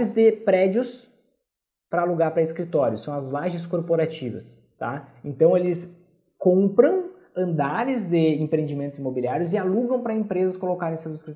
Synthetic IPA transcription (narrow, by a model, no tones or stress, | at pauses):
ɾɪzd̪ɪpɾɛd͡ʒʊs | pɾɐaluɡaɾpɾɐiskɾit̪ɔɾjʊsɐ̃w̃ɐzlaʒẽskoɾpoɾat͡ʃivɐ̰s | t̪a̰ẽnt̪ɐ̃w̃elɪs | kõpɾɐ̃w̃ | ɐ̃nd̪aɾɪzd̪ɪẽmpɾẽd͡ʒimẽnt̪ʊzimobiliaɾjʊzɪaluɡɐ̃w̃pɾɐẽpɾezɐskolokaɾẽsewzɪskɾit̪